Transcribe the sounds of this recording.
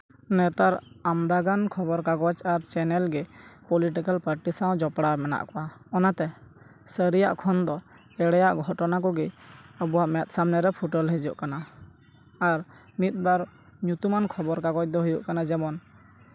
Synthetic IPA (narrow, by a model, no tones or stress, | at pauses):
nɛt̪aɾamd̪aɡankʰɔbɔɾkaɡɔt͡ʃaɾt͡ʃɛnɛlɡɛpɔliʈikalpaɾʈisãw̃d͡ʒɔpɽamɛna̰ʔkɔwaɔnat̪ɛ | səɾija̰ʔkʰɔnd̪ɔ | ɛɽɛjaʔɡʱɔʈɔnak̬ɔɡɛəbɔwaʔmɛt̪̚ˀsamnɛɾɛpʰuʈɔlɦɛd͡ʒuʔkana | aɾ | mit̪̚ˀbaɾɲut̪umankʰɔbɔɾkaɡɔc̚d̪ɔɦujɔ̰ʔkanad͡ʒɛbɔn